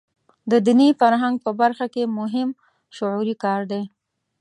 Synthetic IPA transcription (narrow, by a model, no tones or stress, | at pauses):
d̪əd̪inifaɾɦaŋɡ̚pəbaɾxakemʊɦɪm | ʃʊʕuɾikɑɾd̪e